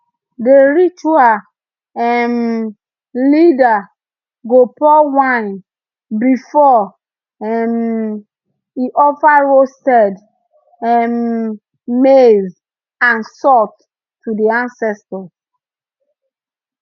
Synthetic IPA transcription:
deɹit͡ʃual | ɛm | lida | ɡopɔwãn | bifɔ | ɛm | iʔɔfaɹostɛd | ɛm | mez | ãnsɔk | tudeãnsɛstɔ

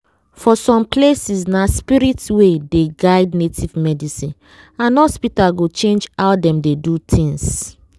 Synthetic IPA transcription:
fɔsɔ̃mplesisnaspiɾitwedeɡaɪdnetivmɛdisĩn | ãnɔspitaɡot͡ʃẽnd͡ʒaʊdɛ̃mdedutʰĩŋs

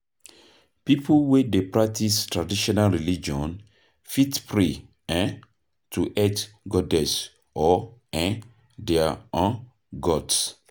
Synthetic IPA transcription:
pipʰuwedepɹak̚tistɹadiʃɔnalɹilid͡ʒɔ̃n | fitpɹe | ɛ̃n | tʰuʔɛt | ɡɔdɛs | ɔɛ̃ | dɛaɔ̃n | ɡɔds

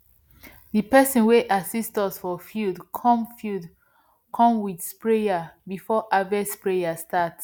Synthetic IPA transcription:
ðipɛsɔ̃nweʔasistɔsfɔfjudkʰɔ̃mfjud | kʰɔ̃mwidspɹejabifɔʔavɛspɹejastat

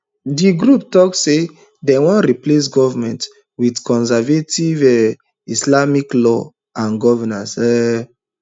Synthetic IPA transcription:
diɡɾuptɔksːe | dɛwɔ̃nɾiplesɡɔvamɛ̃nt | widkɔ̃ns̬ɛvetivɛ | islamiklɔ | ãnɡɔvɛnãsɛ

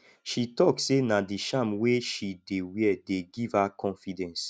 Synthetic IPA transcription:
ʃitɔksenadiʃãmweʃidewiɛdeɡivhakʰɔ̃nfidɛ̃ns

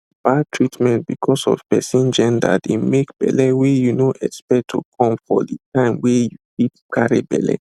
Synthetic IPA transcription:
b̥atʰɹitmɛ̃nt̚bikʰɔsɔ̰v̥pɛsĩnd͡ʒɛ̃nda̰demekb̥ɛ̰lɛwɛjunoʔɛkspɛk̚tʰṵkʰɔ̃mfɔ̰ditʰãɪ̃mwɛjukip̚kʰaɹibɛ̰lɛ̰

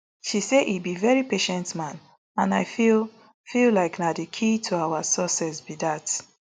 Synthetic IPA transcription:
ʃiseʔibivɛɹipeʃɛ̃ntmãn | ãnaɪfil | fillaɪknadekʰitʰuawasɔsɛsbidat

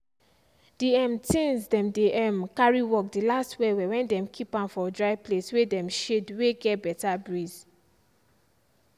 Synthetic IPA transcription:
d̥iɛ̃mtĩnsdɛ̃mdeʔɛmkaɹiwɔk̚dilastwɛwɛwɛ̃ndɛ̃mkʰipãnfɔdɹaɪpleswedɛ̃mʃedweɡɛtbɛtabɹiz

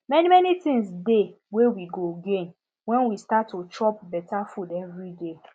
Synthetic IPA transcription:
mɛnimɛnitĩŋsde | wewiɡoɡẽn | wɛ̃nwistatːot͡ʃʰɹɔp̚bɛtafudɛvɹide

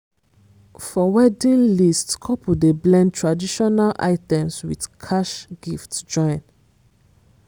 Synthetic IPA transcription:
fɔwɛdĩnlistkʰɔpudeblɛ̃ntɹadiʃɔnalʔa̰ɪtɛ̃mswidkʰaʃɡ̥iftd͡ʒɔ̃ɪ̃n

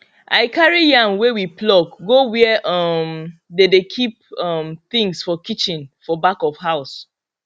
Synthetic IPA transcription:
ʔa̰ɪkʰaɹijãnwewiplɔk̚ɡowiʔʌmdedekʰip̚ʌmθĩŋsfɔkit͡ʃɪ̃nfɔbakɔfhaʊs

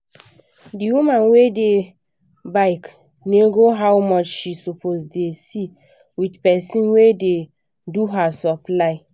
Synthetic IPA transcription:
diwumãnwede | baɪk | neɡoɦawmɔt͡ʃʃisupʰozdesi | widpɛsĩnwede | duɦasɔplaɪ

